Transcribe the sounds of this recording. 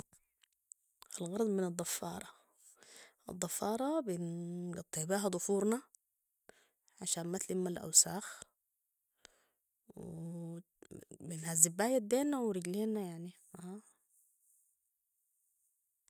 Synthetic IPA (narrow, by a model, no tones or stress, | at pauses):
ʔalɣɑɾˤɑd̪ˤmɪnɑd̪ˤːɑfːɑ̰ːɾˤɑ | ʔɑ̰d̪ˤːɑfːɑːɾˤɑbɪnɡɑt̪ˤːɨʕbeːɦad̪ˤʊfuːɾˤna | ʕaʃaːnmat̪limːalʔa̰wsaːx | w | binhazːibːaːjad̪eːnawɾɪɡleːnajaʕni | ʔaː